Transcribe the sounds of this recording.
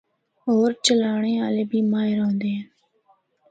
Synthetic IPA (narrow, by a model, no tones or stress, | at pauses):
ɦoːɾt͡ʃəlaːɳ̃eːaːleːbiːmaːɦɪɾõnd̪eːn